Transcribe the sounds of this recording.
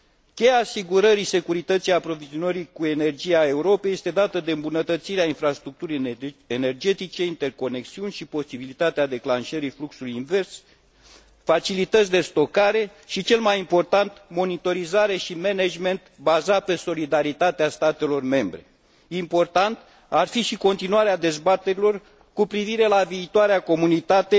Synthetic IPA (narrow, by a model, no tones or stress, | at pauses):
kʲe̞jaːsiɡuɾəɾise̞kuɾit̪ət̪sijapɾo̞vizio̞nəɾikue̞ne̞rd͡ʒijae̞uɾo̞pe̞je̞st̪e̞d̪at̪əd̪e̞ɨmbunət̪ət̪siɾeainfɾast̪ɾuk̚t̪uɾijene̞rd͡ʒe̞t̪it͡ʃe̞int̪e̞rko̞ne̞ksiunʲʃipo̞sibilit̪at̪ead̪e̞klanʃəɾifluksulujinve̞rs | fat͡ʃilit̪ət̪sʲd̪e̞st̪o̞kaɾe̞ | ʃit͡ʃe̞lmajimpo̞rt̪ant̪mo̞nit̪o̞ɾizaɾe̞ʃime̞ned͡ʒme̞nt̪bazat̪̚pe̞so̞lid̪aɾit̪at̪east̪at̪e̞lo̞rme̞mbɾe̞̰ | impo̞rt̪ant̪ | arfiʃiko̞nt̪inuaɾead̪e̞zbat̪e̞ɾilo̞r | kupɾiviɾe̞laviːt̪oaɾeako̞munit̪at̪e̞